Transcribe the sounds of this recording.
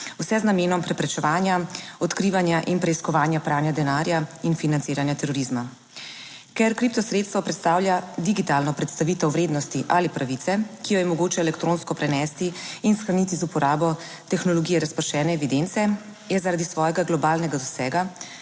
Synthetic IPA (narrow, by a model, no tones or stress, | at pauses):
wsɛznameːnɔmpɾɛpɾɛt͡ʃɛʋaːnjaɔt̪kɾiːʋanjaʔinpɾɛiskɔʋaːnjapɾaːnjad̪ɛnaːɾjainfinant̪iːɾanjat̪ɛɾɔɾizma | kɛɾkɾip̚t̪ɔsɾeːt̪st̪ʋɔpɾɛt̪st̪aːwljad̪iɡit̪aːlnɔpɾɛt̪st̪aʋit̪ɛwʋɾeːd̪nɔst̪iʔalipɾaʋit̪ɛkijɔjɛmɔɡoːt͡ʃɛɛlɛkt̪ɾoːnskɔpɾɛnɛːst̪iːnsxɾanit̪izupɔɾʔaːbɔ | t̪ɛxnɔlɔɡiːjɛɾaspəɾʃɛːnɛːʋid̪ent̪sɛ | jɛzaɾad̪isʋɔːjɛɡaɡlɔbaːlnɛɡad̪ɔsɛːɡa